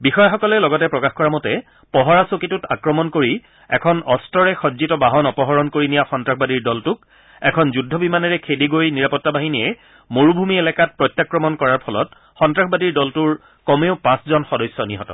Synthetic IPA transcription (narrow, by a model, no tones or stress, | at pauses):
bixɔjaxɔkɔlɛlɔɡɔtɛpɹɔkaxkɔɹamɔtɛ | pɔɦɔɹasokitʊta̰kɹɔmɔnkoɹi | ɛ̰kʰɔnɔstɹɔɹɛxɔzitɔbaɦɔnɔpɔɦɔɹɔnkoɹinijaxɔntɹaxbadiɹdɔltʊk̚ | ɛkʰɔnzudʱːɔbimanɛɹɛkʰediɡojniɹapɔtːabaɦiniɛ | moɹubʱumielɛkat̚pɹɔjtːjakɹɔmɔnkɔɹaɹpʰɔlɔt̚ | xɔntɹaxbadiɹdɔltʊɹ | kɔmeʊpãszɔnxɔdɔjsːɔniɦɔtɔ̰